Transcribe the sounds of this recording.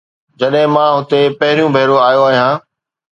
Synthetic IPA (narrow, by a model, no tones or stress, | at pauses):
d͡ʑɐɗɦɪ̃mãːɦʊt̪epɐɦɪɾijũbʱɐːɾoaːjoaːɦijãː